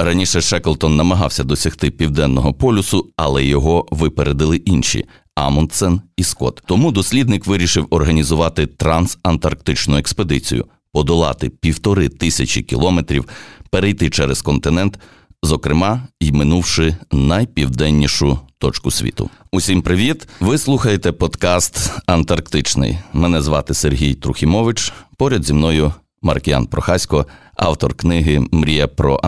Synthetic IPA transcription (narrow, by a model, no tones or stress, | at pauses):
rɐnʲiʃɛʃɛkelˠt̪ɔnːɐmɐɦɑ̰wsʲɐd̪ɔsʲɐxt̪ɪpʲiwd̪ɛnːɔɦɔpɔlʲʊsʊɐ̰lˠɛjɔɦɔʋɪpeɾed̪ɪlˠɪʔinʲʃʲḭ | ɑ̰mɔnt̪sɛniskɔ̰t̪ɔmud̪ɔsʲlʲid̪nɪkʋɪɾʲiʃɪwɔrɦɐnʲizʊʋɑt̪ɪt̪ɾɐnsɐnt̪ɐrk̚t̪ɪt͡ʃnʊeksped̪ɪt͡sʲḭjʊ̰ | pɔd̪ɔlˠɑ̰t̪ɪpʲiwt̪ɔɾɪt̪ɪsʲɐt͡ʃʲḭkʲilˠɔmet̪ɾʲiwpeɾejt̪ɪt͡ʃɛɾɛz̥kɔnt̪ɪnɛnt̪ | zɔkɾɪmɑimɪnuwʃɪnɐjpʲiwd̪ɛnʲːiʃʊt̪ɔt͡ʃkʊsʲʋʲḭt̪ʊ̰ʊsʲimpɾɪʋʲit̪ʋɪslˠuxɐjet̪ɛpɔd̪kɑst̪ɐnt̪ɐrkt̪ɪt͡ʃnɪ̰jmɛnɛzʋɑt̪ɪserɦʲijt̪ɾʊxʲimɔʋɪt͡ʃpɔɾʲɐd̪zʲimnɔjʊ | mɐ̰rkʲɪja̰npɾɔxɑsʲkɔ | ɑ̰wt̪ɔrknɪɦɪmɾʲijɛpɾɔ̰ʔ